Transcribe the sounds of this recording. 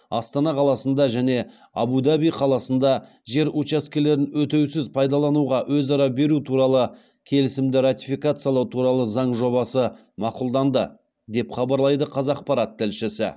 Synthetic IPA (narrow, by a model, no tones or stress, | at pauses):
ɑst̪ɑnɑqʰɑlˠɑsənd̪ɑʒæne̞ | ɑ̰bud̪ɑbijqʰɑlˠɑsənd̪ɑ | ʒe̞ɾut͡ʃaskʲe̞le̞ɾɪnwɵt̪e̞wsɪzpʰɑjd̪ɑlˠɑnuʁɑwɵzɑɾɑbe̞ɾut̪ʰuɾɑlˠə | kʲʰe̞lɪsɪmd̪ɪɾat̪ifikat̪sɨjɑlˠɑwt̪ʰuɾɑlˠəzɑɴʒo̞βɑsə | mɑqʊlˠd̪ɑnd̪ə̰ | d̪e̞pχɑbɑɾlˠɑjd̪əqʰɑzɑq̚pɑɾɑt̪ʰːɪlʃɪsɪ̰